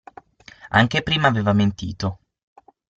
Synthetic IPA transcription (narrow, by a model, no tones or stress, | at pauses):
a̰ŋk̟epɾiːmaːveːvament̪ḭːt̪o